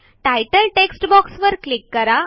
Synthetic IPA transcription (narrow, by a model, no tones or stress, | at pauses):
ʈajʈəlʈeksʈbɔksʋəɾklikːəɾa